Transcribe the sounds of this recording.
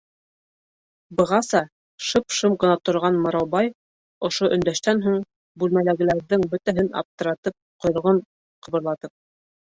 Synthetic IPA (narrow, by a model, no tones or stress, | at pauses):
bɤ̆ʁɑsɑ | ʃɤpʃɤmqɤ̆nɑt̪ŏɾʁɑnmɤ̆ɾɑwbɑj | ŏʃoʔɵ̆nd̪æʃt̪ænɦuɴ | bʉlmælæɡɘ̆læɾðɘŋbɵ̆t̪æɦɘnɑ̰p̚t̪ɤ̆ɾɑt̪ɤp̚qŏjŏʁɤɴ | qʰɤ̆βɤ̆ɾlˠɑt̪ɤp̚